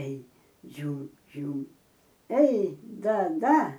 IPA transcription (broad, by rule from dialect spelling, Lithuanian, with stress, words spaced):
ɛɪ ˈd͡ʒʲuːm ˈd͡ʒʲuːm ɛɪ ˈdɐ ˈdɐ